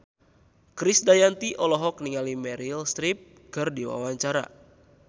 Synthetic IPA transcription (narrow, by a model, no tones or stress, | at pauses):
kɾisdajant̪iʔɔlɔɦɔk̚niŋalimɛɾilst̪ɾip̚ | kɨrdiwa̰waɲt͡ʃaɾa̰